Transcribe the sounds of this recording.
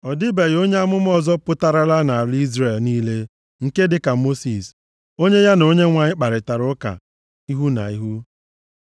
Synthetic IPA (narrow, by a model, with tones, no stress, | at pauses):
ɔ˨di˦be˨jo˦ɲe˦a˦mʊ˦m˦ɔ˦zɔ˦pʊ˦ta˦ɾa˦la˦na˨a˨li˦zɾe˨lniː˦le˦ | ŋ̩˨ke˦dɪ˨ka˨mo˦si˨s | o˦ɲe˦ja˦no˨ɲe˦ŋʷa˨ɲɪ˦k͡pa˨ɾɪ˨ta˨ɾʊ˦ka̰˨ | i˦ɦu˦na̰˨i˦ɦu˦